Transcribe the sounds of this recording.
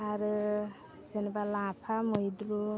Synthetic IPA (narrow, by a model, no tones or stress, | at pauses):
aɾɯ | zenibalãpʰamʌjd̪ɾu